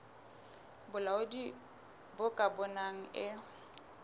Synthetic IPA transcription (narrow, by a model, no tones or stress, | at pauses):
bʊlaʊdi | bʊkʼabʊnaŋ̩ɪ